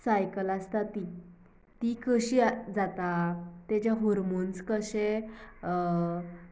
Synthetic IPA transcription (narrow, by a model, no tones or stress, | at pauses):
sajkəlast̪at̪i | t̪ikəɕid͡zat̪at̪at͡ɕjaɦɔɾmonskəɕe